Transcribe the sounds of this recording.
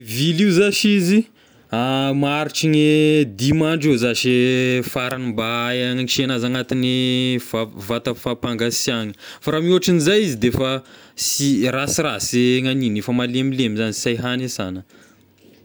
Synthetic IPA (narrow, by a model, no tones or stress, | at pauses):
viliwzaʃizi | amaɾiʈ͡ʂiɲed̪imaɳɖ͡ʐezaʃefaɾanimbaaŋiʃenazaŋat̪inivavat̪afapaŋɡasjaŋə̥faɾamiuaʈ͡ʂinizajizid̪efəsirasiraseŋaninefəmalemilemizanisajɦanesanə